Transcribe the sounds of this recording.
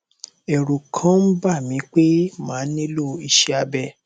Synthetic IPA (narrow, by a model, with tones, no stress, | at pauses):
ɛ˨ɾu˨kʰã˨˦m̩˦ba˦˨mĩ˨˧˦k͡pe˦mãː˨˦nĩ˦lo˦i˧ʃɛ˦a˧bɛ˧